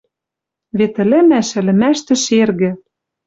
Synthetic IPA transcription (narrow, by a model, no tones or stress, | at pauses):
vet̪ɘ̆lɘ̆mæʃɘ̆lɘ̆mæʃt̪ɘ̆ʃerɣɘ̆